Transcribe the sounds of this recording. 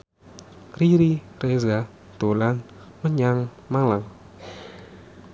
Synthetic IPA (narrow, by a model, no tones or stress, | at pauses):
kɾiɾi | reza | d̪̥olan | məɲaŋ | malaŋ